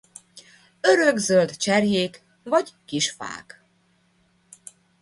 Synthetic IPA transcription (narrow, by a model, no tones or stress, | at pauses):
øɾøɡzøld̪t͡ʃɛrjeːk | vɒɟkiʃfa̰ːk